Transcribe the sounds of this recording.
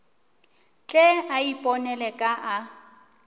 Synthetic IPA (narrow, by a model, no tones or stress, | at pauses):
t͡ɬʼɛaipʼɔnɛlɛkʼaʔa